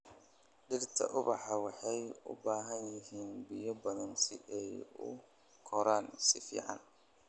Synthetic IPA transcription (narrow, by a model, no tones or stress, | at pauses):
ɖɪrt̪ʰɐ̰ʔʊβɑ̰ħɑwɑħɑjʊ̰baːɦɐnjɪɦiːnbɪjɔbɐðɐnsɪ̰ʔɛjʊ̰ | kʰɔɾaːnsɪfḭːʕɑ̰n